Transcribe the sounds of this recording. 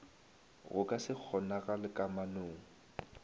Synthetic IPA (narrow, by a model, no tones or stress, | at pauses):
ɣʊkʼasɪk͡xʰɔnaɣalɪkʼamanoːŋ̩